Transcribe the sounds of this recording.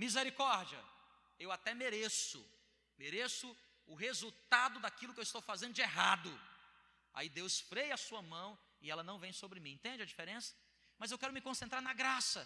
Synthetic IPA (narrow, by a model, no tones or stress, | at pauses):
mizeɾikɔɾd͡ʒiɐ̰ | ewat̪ɛmeɾesʊ̰ | meɾesʊ | ʊɦezuwt̪ad̪ʊd̪akilʊkɪewist̪owfazẽnd̪ʊd͡ʒɪeɦad̪ʊ | a̰id̪ewsfɾejɐasuɐmɐ̃w̃ | ɪɛlɐnɐ̃w̃vẽj̃sobɾɪmĩẽnt̪ẽnd͡ʒɪɐd͡ʒifeɾẽsɐ̥ | mɐzewkɛɾʊmɪkõsẽnt̪ɾaɾnɐɡɾasɐ